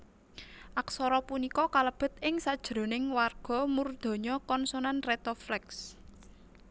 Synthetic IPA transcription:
ʔaksɔɾɔpunikɔkaləb̥ə̤t̪̚ɪŋsad̥ʒ̥ɾo̤nɪŋwarɡ̥ɔ̤murd̪̥ɔ̤ɲɔkɔnsonanret̪oflɛks

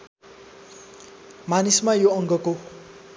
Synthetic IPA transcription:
manismajoʌŋɡʌko

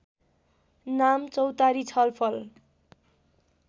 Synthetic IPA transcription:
namt͡sʌwt̪aɾit͡sʰʌlpʰʌl

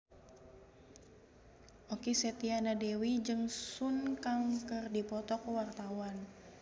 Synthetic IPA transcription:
ʔokisɛt̪ianadɛwid͡ʒɨŋsunkaŋkɨrdipɔt̪ɔkuwart̪awan

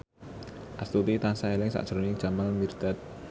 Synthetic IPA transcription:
ʔast̪ut̪it̪ansaelɪŋsa̰ʔd̥ʒ̥ɾonɪ̥ʒ̥a̤malmird̪̥a̤t̪̚

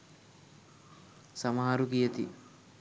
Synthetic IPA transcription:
samɐɦaɾuɡijət̪ḭ

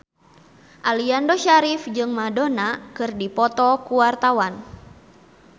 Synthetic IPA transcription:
ʔaliandɔʃaɾifd͡ʒɨŋmadonakɨrdipɔt̪ɔkuwart̪awan

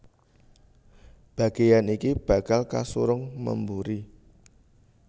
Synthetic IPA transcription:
b̥ä̤ɡ̥ejanikib̥ä̤kalka̰suɾʊŋmə̰mbuɾi

